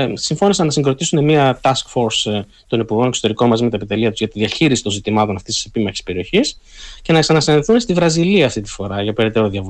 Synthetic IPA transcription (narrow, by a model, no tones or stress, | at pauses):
siɱfo̞nisɐnːɐsiŋɡɾo̞t̪isune̞miɐt̪ɐskfo̞ɾs | t̪o̞nipuɾɣo̞nekso̞t̪e̞ɾiko̞nmɐzimeɐepit̪eliɐt̪uzʝɐt̪iðiɐçiɾisi̥t̪o̞nzit̪imɐt̪o̞nɐft̪ist̪isepimɐçe̥speɾio̞çis | ce̞nɐksɐnɐksnɐiθune̞st̪ivɾɐziliɐːft̪it̪i̥fo̞ɾɐʝɐpe̞ɾe̞t̪e̞ɾoðiɐvu